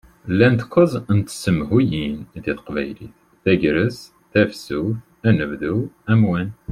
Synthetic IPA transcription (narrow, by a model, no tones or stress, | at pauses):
lːænt̪qʷːəzˤənt̪səmɦujinðiθqvæ̰jlḭθ | θæʝɾəs | θæfsuθ | ænəvðuæmwæn